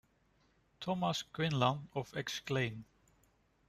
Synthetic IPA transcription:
t̪ʰɔmasɡ̥ɹɪ̃nlãndɔvɛksklẽɪ̃n

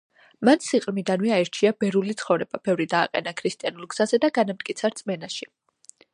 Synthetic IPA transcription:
mansiqʼɾmid̪anmiaɛɾt͡ʃʰiabɛɾulit̪sʰχɔvɾɛbabɛvɾid̪aːqʼɛ̰nakʰɾist̪ʼijanulˠɡz̥azɛd̪aɡanamt̪̚ʼkʼit̪sʰaɾt̪sʼmɛnaʃi

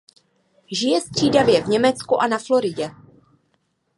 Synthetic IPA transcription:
ʒɪjɛst̪r̝̥iːdavjɛvɲɛmɛt͡skuʔanaflo̞ɾɪɟɛ

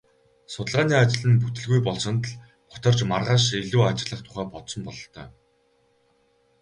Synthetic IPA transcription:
sʊt̪ə̆ɮʁaːniːat͡ɕɪ̆ɮɘ̆nput̪ɘ̆ɮɣujpɔɮsɞ̆nt̪ɮ | pʊ̥t̪ɞ̆rt͡ɕmarʁaːʃ̬eɮuːat͡ɕɪ̆ɮə̆χt̪ʰʊ̥χæːpɔt̪sɞ̆mpɔɮɞ̆ɬt̪ʰœ̰ː

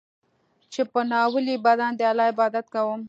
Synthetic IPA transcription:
t͡ʃepənɑwəlibad̪and̪əalɑɪbɑd̪at̪kawəm

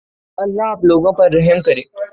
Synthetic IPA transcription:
əlːaːploɡãpəɾːəɦəmkəɾe

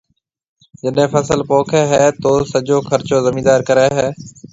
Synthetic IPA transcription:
d͡ʒəɗɦẽːpəsəlpoːkʰeːɦɛːt̪oːsəd͡ʒoːxʰəɾt͡ʃoːzəmĩːd̪aːɾkəɾɛːɦɛː

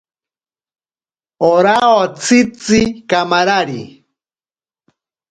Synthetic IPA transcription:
oɾaot͡sʰit͡sikamaɾaɾḭ

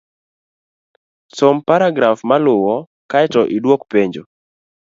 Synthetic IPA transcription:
sompaɾaɡɾafmalʊwɔ | kaɛtɔʔidwokpeɲd͡ʒo

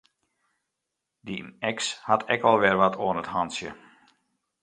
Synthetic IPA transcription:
diɛkshatʰɛkʋɔlˠʋɛrʋatʰoənəthansjə̰

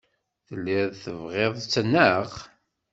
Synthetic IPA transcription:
θəlːɪðθəvʁeðˤt͡sːnːəʁ

